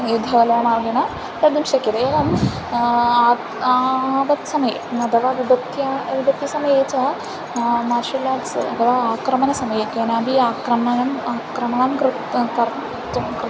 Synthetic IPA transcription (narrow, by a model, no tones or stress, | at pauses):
jud̪ʱɐɐlɐmaːɾɡinɐ | t̪ɐd̪imʃɐkːid̪eeʋɐm | a | aʋɐt̪sɐmɐjeɐd̪ɐʋaʋid̪ɐt̪jaʋib̪ɐt̪jɐsɐmɐjeːt͡ʃɐ | maːɾʂilːasɐ̰d̪ɐʋaaːkɾɐmɐnɐsɐmɐjek̪ɐnaːbʱiaːkɾɐmɐnɐmaːkɾɐmɐɳɐmkɾ | kɐ | kɾ